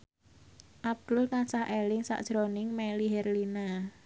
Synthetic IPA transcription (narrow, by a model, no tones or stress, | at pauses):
ʔab̚d̪̥ʊlkansahʔelɪŋsa̰ʔd̥ʒ̥ɾonɪŋmɛliɦɛrlina